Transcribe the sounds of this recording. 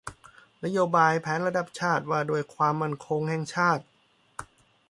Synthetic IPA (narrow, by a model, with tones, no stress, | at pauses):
na˦˥joː˧baː˧jpʰɛː˨˦˥nɾa˧da˨˦˩p̚t͡ɕʰaː˥˩t̪̚waː˧˩doː˧jkʰwaː˧mːa˥˩nkʰo˧ŋhɛ˨˩ŋt͡ɕʰaː˥˩t̪̚